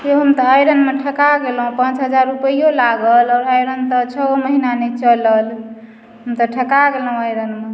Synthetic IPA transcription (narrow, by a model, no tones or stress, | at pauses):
keɦəmt̪əəjɾənmeʈʰəkaɡelɦũpãt͡ʃɦəd͡ʒaɾːupəijolaɡəlɔɾajɾənt̪ət͡ʃʰəməɦinanɛt͡ʃələl | ɦəmt̪əʈʰəkaɡelɦũəjɾənme